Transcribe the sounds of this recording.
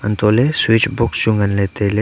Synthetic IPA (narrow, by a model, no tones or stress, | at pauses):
ənt̪oːleswit͡ʃbʊkst͡ʃʊ̃ŋɡənleːt̪ele